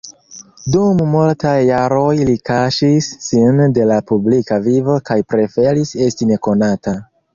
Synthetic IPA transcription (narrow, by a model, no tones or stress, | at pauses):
dummultajːaɾo̞jlikaʃisːinde̞lapublikavivo̞kajpɾe̞fe̞ɾise̞stine̞ko̞nata